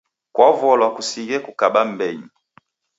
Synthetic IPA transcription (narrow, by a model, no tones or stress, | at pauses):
kwavɔlwakusiɣɛkukaɓambɛɲi